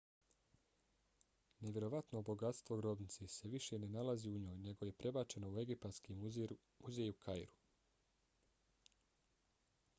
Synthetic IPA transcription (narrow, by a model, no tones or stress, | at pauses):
ne̞ʋʲje̞ɾo̞ʋat̪nobo̞ɡat̪st̪ʋo̞ɡɾo̞bnit̪sese̞ʋiʃe̞ne̞nalaziuɲo̞ːjne̞ɡo̞je̞pɾe̞bat͡ʃe̞no̞ue̞ɡippat̪ski | muzeːjukʰajɾu̥